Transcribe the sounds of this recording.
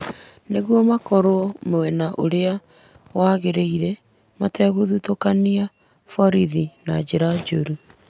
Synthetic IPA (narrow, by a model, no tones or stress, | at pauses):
neɣwɔmakɔɾomowɛnaʔoɾea | waɣeɾeiɾɛ | matɛɣoðutokania | fɔɾiðinad͡ʑeɾad͡ʒoɾu